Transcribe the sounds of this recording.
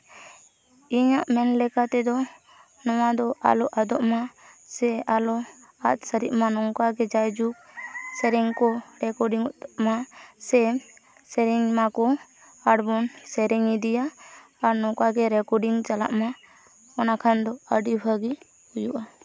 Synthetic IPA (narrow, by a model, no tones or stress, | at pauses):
iɲaʔmɛnlɛkat̪ɛd̪ɔ | nɔwad̪ɔʔa̰lɔʔad̪ɔʔmasɛalɔ | a̰t̪̚səɾiʔmanɔŋkaɡɛd͡ʒajd͡ʒuk̚sɛɾɛŋkɔɾɛkɔɾɖiŋmasɛ | sɛɾiŋmakɔ | aɖbɔnsɛɾiŋid̪ijaː | ɾnɔkaɡɛɾɛkɔɾɖiŋt͡ʃala̰ʔma | ɔnakʰand̪ɔəɖibʱəɡi | hujuʔa